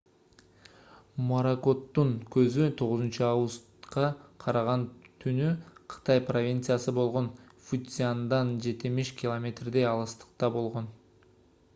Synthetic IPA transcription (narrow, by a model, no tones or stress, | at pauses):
moɾako̞t̪ːuŋkø̞zyt̪ʰo̞ʁʊzɨnt͡ʃuɑvɡust̪qɑqʰɑɾɑʁɑnt̪ʰynyqʰɯ̥t̪ɑjpro̞vʲint̪sjasɯbo̞lˠʁo̞n | fut̪sʲɪand̪ɑnd͡ʒe̞t̪imiʃkʲɪlˠomʲe̞t̪rd̪ejɑlˠɯst̪ə̥q̚t̪ɑbo̞lˠʁo̞n